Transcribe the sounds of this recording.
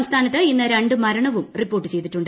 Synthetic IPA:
mst̪ʰaːnɐt̪ːɨinːɨɾe̞ɳɖɨmɐɾɐɳɐʋumripːoːʈːɨt͡ɕe̞jt̪iʈːuɳɖɨ

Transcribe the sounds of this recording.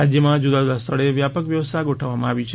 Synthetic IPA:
ad͡ʒjəmãd͡ʒud̪ad͡ʒud̪ast̪ʰəɭeʋjapəkʋjəʋəst̪ʰaɡoʈʰəʋːamãaʋit͡ʃʰe

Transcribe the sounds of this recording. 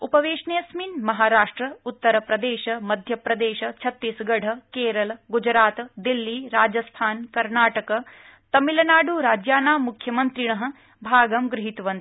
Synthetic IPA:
upɐʋeːʂnejɐsmiːnmɐɦaːɾaːʂʈɾɐut̪ːɐɾɐpɾɐd̪eːʃɐmɐd̪ʱjɐpɾɐd̪eːʃɐt͡ʃʰɐt̪ːiːsɡɐɽ̤ɐkeːɾɐlɡud͡ʒɾaːt̪d̪ilːiːɾaːd͡ʒɐst̪ʰaːnkɐɾnaːʈɐkɐ | t̪ɐmilɐnaːɖuɾaːd͡ʒjaːnaːmukʰjɐmənt̪ɾiɳɐɦə̆ | bʱaːɡɐmɡɾɪɦit̪ʋɐnt̪

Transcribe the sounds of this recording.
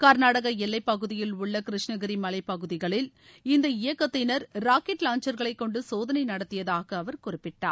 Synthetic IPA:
kɐɾnaːɽɐɣɐɛlːɐɪpːɐɣɯðɪjɪlʊɭːɐkɪɾɪʂnɐɣɐɾimɐlɐɪpːɐɣɯðɪɣɐɭɪl | ɪnd̪ɐɪjɐkːɐt̪ːɪnɐɾɾaːkɛʈlaːnt͡ʃɐɾɣɐɭɐɪkːɔɳɖɯsoːðɐnɐɪnɐɽɐt̪ːɪjɐðaːɣɐːʋɐɾkʊrɪpːɪʈːa̰ː

